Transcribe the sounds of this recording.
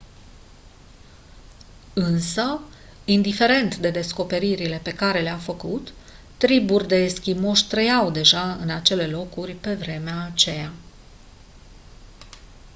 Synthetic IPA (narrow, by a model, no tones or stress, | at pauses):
ɨnsə | ind̪ife̞ɾe̞nt̪d̪e̞d̪e̞sko̞pe̞ɾiɾile̞pe̞kaɾe̞leafəkut̪ː | ɾiburʲd̪e̞skʲimo̞ʃʲt̪ɾəjawd̪e̞ʒaɨ̰nat͡ʃe̞le̞lo̞kurʲpe̞vɾe̞meaːt͡ʃe̞ja